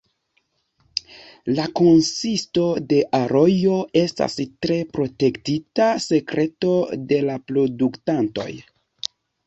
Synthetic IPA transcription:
lako̞nsisto̞de̞ʔaɾo̞jo̞e̞sta̰stɾe̞pɾo̞te̞ktitase̞kɾe̞to̞de̞lapɾo̞duktanto̞̰j

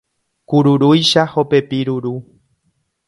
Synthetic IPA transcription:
kuɾuɾujʃaho̞pe̞piɾuɾu

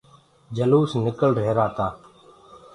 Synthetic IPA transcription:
d͡ʒəluːsnɪkəlɖʱeːɾaːt̪aː

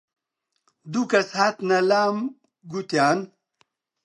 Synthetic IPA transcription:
d̪ukɐshat̪nɐlaːm | ɡut̪jaːn

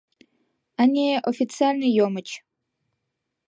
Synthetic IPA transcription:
anʲeʔofit̪t͡sɨalʲnɨjomɨt͡ʃʰ

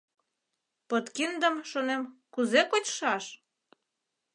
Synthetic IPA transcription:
pət̪kind̪əmʃonemkuzekot͡ɕʃɑʃ

